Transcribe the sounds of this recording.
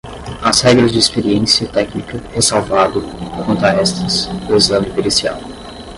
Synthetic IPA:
ɐshɛɡɾɐzd͡ʒɪispeɾiẽsiɐt̪ɛknikɐhesawvad̪ʊkʰõnt̪ɐɛst̪ɐsʊezɐ̃mɪpelisia̰w

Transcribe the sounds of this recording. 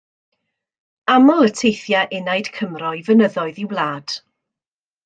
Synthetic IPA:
amɔlˠətʰejθjaʔɪnajd̥kʰəmrɔɨvənəðɔɨðiwlˠaːd̥

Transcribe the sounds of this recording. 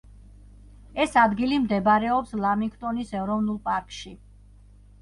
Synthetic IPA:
ɛsad̪ɡilimd̪ɛbaɾɛɔpslˠamiŋkʰt̪ʼɔnisɛvɾɔvnulˠpʼaɾkʼʃi

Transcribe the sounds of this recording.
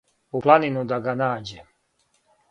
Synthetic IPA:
uplˠaninud̪aɡanaːd͡ʑe

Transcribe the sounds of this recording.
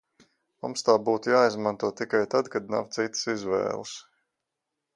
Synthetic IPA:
mumst̪aːbuːt̪ujaːizmant̪uɔt̪ikajt̪ad̪kad̪̚na̰wt̪sit̪sizʋɛ̰ːlˠɨs

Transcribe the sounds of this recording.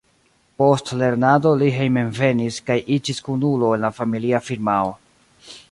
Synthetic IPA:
po̞stle̞ɾnado̞liɦejmenve̞niskajʔid͡ʒiskunulo̞enlafamiliafiɾmao

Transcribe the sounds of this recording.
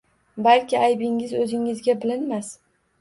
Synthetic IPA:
balkʲɪajbɪŋɪzɵzɪŋɪzɡʲabɪlɪnmas

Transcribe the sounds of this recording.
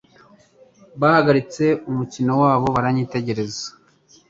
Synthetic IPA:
βahaɡaɾit͡se̞umucinowaːβo̞βaɾaɲiːte̞ɟe̞ɾe̞zḁ

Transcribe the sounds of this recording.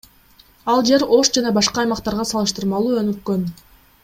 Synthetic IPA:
ɑlˠd͡ʒe̞ɾo̞ʃd͡ʒɑnɑbɑʃqɑːjmɑqt̪ɑɾʁɑsɑlˠɯʃt̪ɯɾmɑlˠuːø̞nykːø̞n

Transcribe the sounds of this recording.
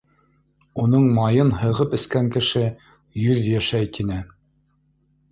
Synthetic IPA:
unɤɴmɑjɤnhɤ̆ʁɤpɘ̆skæŋkɘ̆ʃɘ | jɵðjæʃæjt̪ʰinɘ

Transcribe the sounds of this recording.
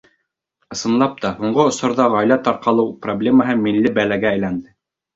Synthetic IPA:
ɤ̆sɤ̆nlˠɑp̚t̪ɑhuɴɢɤŏsŏɾðɑʁɑjlæt̪ɑɾqɑlˠɤwproblʲeməɦɤmilːɘbælæɡæːjlænd̪ɘ

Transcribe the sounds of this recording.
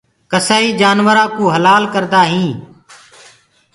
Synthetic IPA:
kəsaːiːd͡ʒaːnʋəɾãːkuːɦəlaːlkəɾd̪aːɦĩː

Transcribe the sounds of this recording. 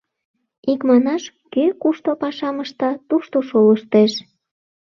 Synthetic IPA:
ikmɑnɑʃ | køkuʃt̪opɑʃɑməʃt̪ɑt̪uʃt̪oʃoləʃt̪eʃ

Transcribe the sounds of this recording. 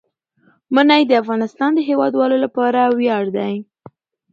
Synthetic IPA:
mənajd̪əafɣɑnɪst̪ɑnd̪əɦewɑd̪wɑlolapɑɾawjɑɽd̪aj

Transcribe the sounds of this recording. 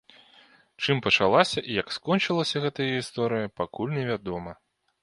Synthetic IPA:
t͡ʂɨmpɐt͡ʂalˠasʲɐʔijɐkskɔnt͡ʂɨlˠɐsʲɐɣɛt̪ɐjɐɣʲist̪ɔɾɨjɐpakulʲnʲɛvʲad̪ɔmɐ

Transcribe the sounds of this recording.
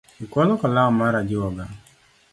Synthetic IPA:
ikwɔlɔkɔlaɔmaɾad͡ʒɪwɔɡa

